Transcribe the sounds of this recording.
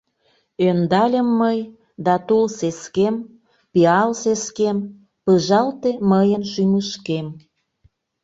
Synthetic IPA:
ønd̪ɑlʲəmːəj | d̪ɑt̪olseskem | piɑlseskem | pəʒɑlt̪eməjənʃyməʃkem

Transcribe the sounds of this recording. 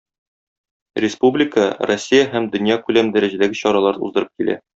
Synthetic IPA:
rʲɪspublʲɪkərosʲːijaɦæmd̪ɵ̆njɑkʉlæmd̪æɾæʑæd̪æɡɘɕɒɾɑlˠɑɾɤṵzd̪ɤ̆ɾɤp̚kilʔæ̰

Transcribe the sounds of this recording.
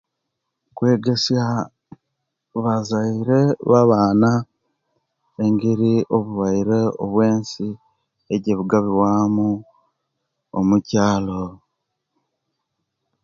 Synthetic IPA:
kwe̞ːɡe̞sja | βazaiɾe̞βaβaːna | e̞ŋɡiɾio̞βuβaiɾeoβwe̞ːnsi | eɟeβuɡaβiwamu | o̰mucaːlo

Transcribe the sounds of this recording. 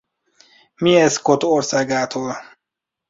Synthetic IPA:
miɛskot̪orsaːɡaːt̪ʰoːl

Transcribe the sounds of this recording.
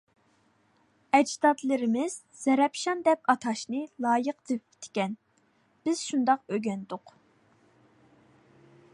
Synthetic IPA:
ɛd͡ʒd̪ɑt̪lɨɾɪmɪz̥ | z̥ɛɾɛpʃɑnd̪ɛpɑt̪ʰɑʃnɨlˠɑːjəqd̪ɨpt̪ʰɪ̥kʲɛn | b̥ɪz̥ʃund̪ɑqøɡʲɛnd̪ʊq

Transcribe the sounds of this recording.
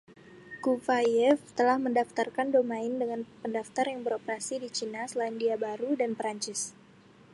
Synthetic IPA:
kuvajɛft̪əlahməndaft̪arkandomaɪndəŋanpəndaft̪arjaŋbəɾopəɾasidit͡ʃinasəlaɪndiabaɾudanpəɾaɲt͡ʃɪs

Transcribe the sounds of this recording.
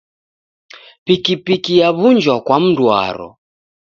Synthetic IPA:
pikipikijaβund͡ʒwakwam̩dwa̰ɾɔ̰

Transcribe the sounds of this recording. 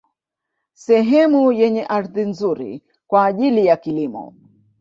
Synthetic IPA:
sɛɦɛmujɛɲɛʔaɾðin̩zuɾḭ | kwaːʄilijakilimɔ̰

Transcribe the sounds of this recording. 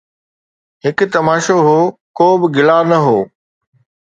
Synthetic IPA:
ɦɪkʊ̆t̪ɐmaːʃoɦoːkoːbɪɡɪlanɐɦoː

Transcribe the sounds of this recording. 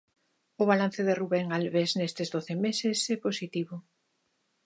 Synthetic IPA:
ʊβ̞alan̟θeðeruβɛŋalβesnest̪ezðoθemesesɛposit̪iβʊ

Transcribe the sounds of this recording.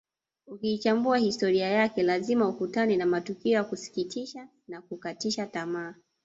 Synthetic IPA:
ukiːt͡ʃambuahistɔɾiajakɛlazimaukutanɛnamatukiɔjakusi̥kitʰiʃa | nakukatiʃatamaː

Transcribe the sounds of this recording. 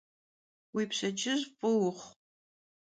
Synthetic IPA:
wipʰɕɐd͡ʒɪʑpʼɨwʊχʷ

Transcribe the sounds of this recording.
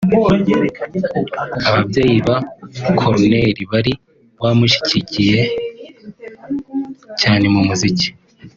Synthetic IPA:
aβabje̞ːjiβakʰoɾne̞ɾiβaɾi | βaːmuʃi̥cicije̞ | caːne̞mumuzici̥

